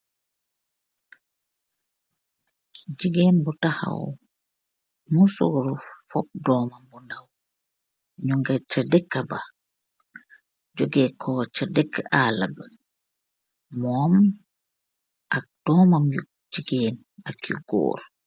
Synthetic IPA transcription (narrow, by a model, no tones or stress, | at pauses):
d͡ʒiɡɛnbɔtaha̰w | musoɾɔfɔb̚dɔːmambɔndaw | ɲuŋɡat͡ʃadɛkːaba | d͡ʒoɡɛːkʰɔːt͡ʃadɛkːaʔala̰ba | mɔm | ʔak̚d̥ɔmamu | d͡ʒiɡɛːn | akiɡɔ̰ːɾ